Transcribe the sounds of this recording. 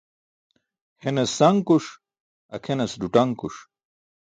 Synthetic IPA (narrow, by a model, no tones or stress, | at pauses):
henɐsɐŋkuʂ | ɐkʰenɐsɖuʈɐŋkuʂ